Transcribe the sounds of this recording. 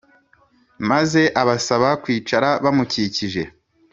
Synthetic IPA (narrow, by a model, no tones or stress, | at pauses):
maze̞ʔaβasaβakwiːt͡ʃaɾaβamuciciʒe̞